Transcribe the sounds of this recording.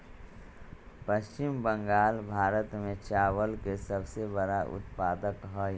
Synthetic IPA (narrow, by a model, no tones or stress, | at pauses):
pəst͡ʃɪmbə̃ŋɡaːlbʱaːɾət̪mẽt͡ʃaːʋəlkesəbsebəɾaʔʊ̰t̪paːd̪əkɦɔ